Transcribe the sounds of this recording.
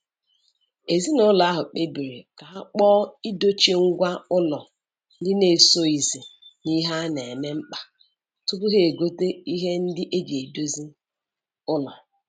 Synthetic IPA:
e˨zi˦nʊ˦lɔ˨a˦ɦʊ˨k͡pe˦bi˨ɾi˨ka˨ɦa˦k͡pɔː˦i˦do˦t͡ʃe˦ŋ̩˦ɡʷa˦ʊ˦lɔ˨ | n̩˦dɪ˦ne˨so˦i˨zi˨ni˦ɦa˦ne˨e˨me˦m̩˦k͡pa˨ | tʊ˦pʊ˦ɦe˨e˨ɡo˦te˦i˦ɦe˦n̩˦dɪ˦ʔe˦d͡ʒe˨do˦zi˦ | ʊ˦lɔ˨

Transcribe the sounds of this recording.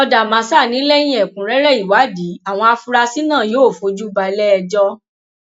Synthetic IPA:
ɔ˧da˨mã˨˧˦sa˦˨nĩ˨˦lɛ˦j̃ĩ˦ɛ˨kũ˨ɾɛ˦ɾɛ˦˨i˨wa˨˦di˨˦a˦˨w̃ɔ̃˧a˧fu˧ɾa˧si˦nã˦˨joː˨˦˨fo˨˧˦d͡ʒu˦ba˧˨˧lɛ˦ɛ˧d͡ʒɔ˦

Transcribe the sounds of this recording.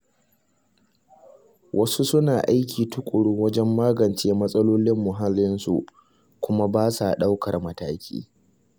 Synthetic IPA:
wʔɐ˦su˦sʊ˦naː˨ʔa˦jkʲiː˨tʊ˦kʷʼʊ˨ɽʊ˦wɐ˦d͡ʒɛ˦mːaː˦ɡɐ˨nt͡ʃeː˦mɐ˦sʼɐ˦loː˦lɪ˦mːʊ˨ɦa˦lːɪ˦nsṵ˨ʔ | kʷʊ˦ma˦baː˦sa˨ɗa˦wkɐ˨rmɐ˦taː˦kʲḭː˦

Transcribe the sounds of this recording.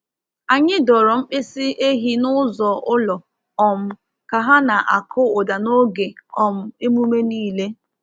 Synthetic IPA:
a˨ɲɪ˦dɔ˨ɾɔ˨ŋ͡m̩˦k͡pɪ˦si˦e˦ɦi˦nʊ˦zɔ˨ʔʊ˦lɔ˨ | ɔ˨m̩˨ | ka˨ɦa˦na˨ʔa̰˨kʰʊ˦ʊ˨da˨no˦ɡe˨ɔ˨m̩˨e˦mu˦me˦niː˦˨le˦

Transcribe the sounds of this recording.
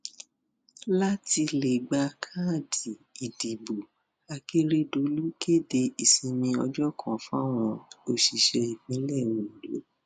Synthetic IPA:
la˦ti˧le˨ɡ͡ba˧kʰa˦˨di˨i˨di˨bo˨ | a˧ke˦ɾe˦do˧˦lu˦ke˦˨de˧i˨sĩ˧mĩ˧ɔ˧d͡ʒɔ˦kʰã˨fũ˦a˦˨w̃ɔ̃˧o˧ʃi˧ʃɛ˧i˨mĩ˨˦lɛ˦˨wũ˨i˨lo̰˨˦

